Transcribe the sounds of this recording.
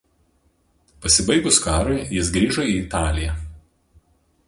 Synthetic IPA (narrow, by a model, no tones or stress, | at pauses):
pɐsʲɪbɐɪɡʊskɑːɾoɪjɪsɡɾʲiːʒɔiːt̪ɑːlʲɪjɛ